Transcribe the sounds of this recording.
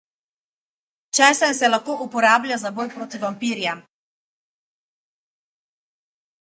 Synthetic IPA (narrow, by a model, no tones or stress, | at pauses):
t͡ʃɛːsansɛlaxkoːʔupɔɾaːblʲjazaboːjpɾoːt̪ivampiːɾja